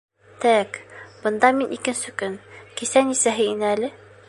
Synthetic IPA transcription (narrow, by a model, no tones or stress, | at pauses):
t̪æækb̥ɤ̆nd̪ɑminʔikɘ̆nsɘkɵnkisænisæɦɘinælɘ